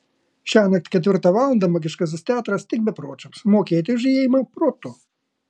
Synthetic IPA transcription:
ʃʲæːnɐk̚t̪ʲkʲɛt̪ʲʋʲɪɾt̪ɑʋɑːlˠɐnd̪ɐmɔɡʲɪʃkɐs̬ʲɪst̪ʲɛɑːt̪ɾɐst̪ʲɪk̚bʲɛpɾoːt͡ʃʲɐpsmoːkʲeːt̪ʲɪjʊʒʲɪjeɛːjɪmɐpɾoːt̪o

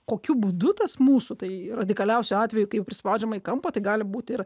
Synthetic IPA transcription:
koːkʲʊbʊd̪ʊt̪ɐsmuːsʊt̪ɐɪrɐd̪ʲɪkɐlʲɛʊsʲʊɑːt̪ʲʋʲɛjʊkɐɪppʲɾʲɪsʲɪpɑʊd͡ʒʲɛmɐiːkɐmpɐt̪ɐɪɡɑːlʲɪbuːt̪ʲɪr

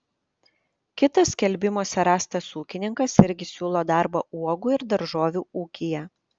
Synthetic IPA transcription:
kʲɪt̪ɐsʲkʲɛlʲbʲɪmoːsʲɛɾɑːst̪ɐsuːkʲɪnʲɪŋkɐsɪɾʲɡʲɪsʲuːlˠoːd̪ɑɾbɐuɔɡuɪɾd̪ɐɾʒoːʋʲuːuːkʲijɛ

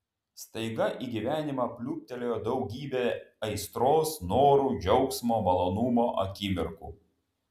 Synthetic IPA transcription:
st̪ɐɪɡɐʔiːɡʲiʋʲæːnʲɪmɑpʲlʲuːp̚ʲt̪ʲɛlʲoːjoːd̪ɒʊɡʲiːbʲeːɐɪst̪ɾoːsnoːɾuːd͡ʒʲɛʊksmoːmɐlˠoːnʊmoːʔɐ̰kʲiːmʲɪɾkṵː

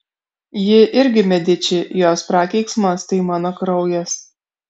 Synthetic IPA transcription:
jɪʔɪɾʲɡʲɪmʲɛd̪ʲɪt͡ʃʲɪjoːspɾɑːkʲɛɪksmɐst̪ɐɪmɑːnoːkɾɒʊjɛs

